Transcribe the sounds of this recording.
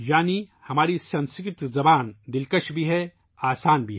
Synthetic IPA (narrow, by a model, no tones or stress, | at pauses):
jaːnihɐmaːɾisɐ̃nskɪt̪zɐbaːnd̪ɪlkəʃbʱiɦɛ | aːsaːnbʱiɦ